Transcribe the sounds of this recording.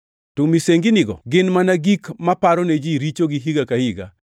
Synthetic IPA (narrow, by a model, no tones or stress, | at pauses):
tumiseŋɡinɪɡɔ̰ɡɪnmanaɡikmapaɾɔned͡ʒiɾit͡ʃoɡiɦiɡakahiɡa̰